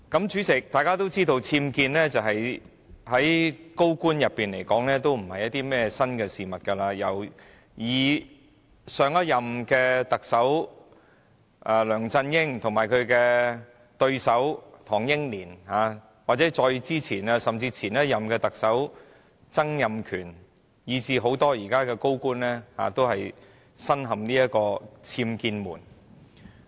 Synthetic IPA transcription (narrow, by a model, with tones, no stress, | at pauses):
kɐ˨˥mt͡ʃyː˨˥t͡sɪ˨k̚t̪aː˨jkaː˥t̪o˥wt͡siː˥t̪o˧wt͡sʰiː˧mkiː˧nlɛː˥t͡sɐ˨wɦɐ˨j | hɐ˨˥jko˥wkuː˥njɐ˨pːiː˨˩nle˨˩jkɔː˨˥ŋlɛː˥t̪o˥wm̩˨˩hɐ˨jɐ˥t̚t̪iː˥mɛː˥sɐ˥nkɛː˧siː˨mɐ˨t̚kɐ˧laː˧jɐ˨˩w | jiː˨˩ | sœː˨˧ŋɐ˥jɐ˨mkɛː˧t̪ɐ˨k̚sɐ˨˥w | ʔaː˧lœː˨˩ŋt͡sɐ˧njɪ˥ŋt̪ʰʊ˨˩ŋmaː˨˩jkʰɵ˨˧ɥkɛː˧ | t̪ɵ˧ɥsɐ˨˥wt̪ʰɔː˨˩ŋjɪ˥ŋliː˨˩nhaː˨˧ | waː˨t̚t͡sɛː˨˥t͡sɔː˧jt͡siː˥t͡sʰiː˨˩na˧sɐ˨mt͡siː˧t͡sʰiː˨˩njɐ˥t̚jɐ˨mkɛː˧t̪ɐ˨k̚sɐ˨˥w | t͡sɐ˥ŋjɐ˨mkʰyː˨˩n | jiː˨˧t͡siː˨˧ɦo˨˥wt̪ɔː˥jiː˨˩kaː˥kɛː˧ko˥wkuː˥nlɛː˥ha̰ː˨˧t̪o˥whɐ˨j | sɐ˥nɦɐ˨mniː˥jɐ˥t̚kːɔː˧t͡sʰiː˧mkiː˧nmṵː˨˩n